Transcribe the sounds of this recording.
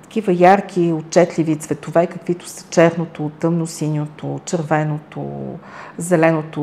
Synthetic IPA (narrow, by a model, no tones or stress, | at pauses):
t̪ɐ̥k̟ʲivəjaɾkʰʲiot̪̚t͡ʃɛt̪lʲivit̪svɛt̪ovɛikəkvit̪o̥sə̥t͡ʃɛɾnot̪ot̪ɤmnosinʲot̪ot͡ʃəɾvɛnot̪o̰ | zɛlɛnot̪o